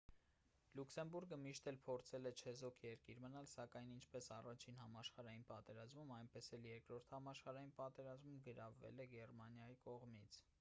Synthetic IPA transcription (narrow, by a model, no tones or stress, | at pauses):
lukʰsɛmbuɾɡəmiʃt̪ɛlpʰɔɾt͡sʰɛlɛt͡ʃʰɛzɔkʰjɛɾkiɾmənɑlsɑkɑjnint͡ʃʰpɛsɑrɑt͡ʃʰinɦɑmɑʃχɑɾɑjinpɑt̪ɛɾɑzmumɑjnpɛsɛljɛɾkɾɔɾt̪ʰhɑmɑʃχɑɾɑjinpɑt̪ɛɾɑzmumɡəɾɑvːɛ̰lɛɡɛrmɑnjɑjikɔʁmit͡sʰ